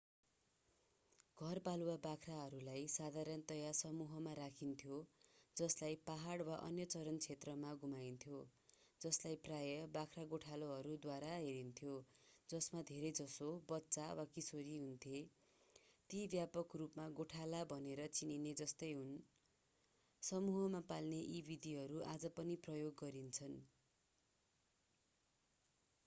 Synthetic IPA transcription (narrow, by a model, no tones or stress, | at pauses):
ɡʱʌrbaluwabakʰraɦʌɾulajsad̪ʱaɾʌnt̪ʌjasʌmuɦʌmaɾakʰint̪ʰjod͡zʌslajpaɦaɽwaʔʌ̰njʌt͡sʌɾʌnt͡sʰet̪rʌmaɡumajnt̪ʰjod͡zʌslajprajʌbakʰraɡoʈʰaloɦʌɾud̪waɾaɦeɾint̪ʰjod͡zʌsmad̪ʱeɾʌjd͡zʌsobʌtːt͡sawakisoɾiɦunt̪ʰje | t̪ibjapʌkrupmaɡoʈʰalabʱʌneɾʌt͡sinined͡zʌst̪ʌjɦun | sʌmuɦʌmapalneʔibid̪ʱiɦʌɾuʔad͡zʌpʌniprʌjoɡːʌɾint͡sʰʌn